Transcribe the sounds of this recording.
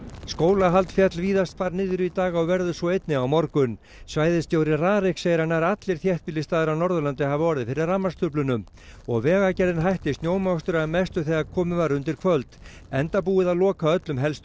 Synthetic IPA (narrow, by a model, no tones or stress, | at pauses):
skoːwlaɦalt̪fjat̪lviːðast̪faɾnɪːðʏɾʏit̪aːɣaɔɣvɛɾðʏsvɔejt̪nɪawmɔɾkʏn | svaːjðɪst̪joːwɾɪraːɾɪkseːjɾanaɾat̪lɪɾ̥θjɛht̪pɪlːɪst̪aːðɪɾawnɔɾðʏlant̪ɪhavɔɾðɪðfɪɾɪðramːast̪ʰʏplʏnʏm | ɔɣvɛːɣacɛɾðɪnɦajht̪ɪst̪njoːwmast̪ʏɾamɛst̪ʏθɛɣakʰɔːmʏvaɾʏnt̪ɪɾ̥kʰvœlt̪ɛnt̪apuːɪðaðlɔːkaœt̪lʏmɦɛlst̪ʏ